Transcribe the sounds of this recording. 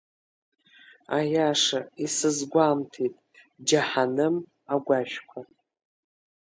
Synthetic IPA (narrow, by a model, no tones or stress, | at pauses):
ajaʂaisɨzɡʷamtʰitʼ | d͡ʒaħanɨm | aɡʷaʃᶣkʷʰa